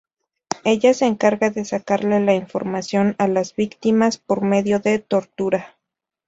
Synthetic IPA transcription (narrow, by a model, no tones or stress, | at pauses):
e̞ʝase̞ːŋkaɾɣaðe̞sakaɾle̞laiɱfo̞̰ɾmasjo̞nalazβikt̪imaspo̞ɾme̞ðjo̞ðe̞t̪o̞ɾt̪uɾa